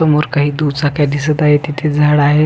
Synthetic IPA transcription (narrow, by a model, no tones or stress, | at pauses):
əmoɾkaɦiːd̪ut͡sakjad̪isət̪aɦet̪it̪ʰed͡zʱaɽaɦe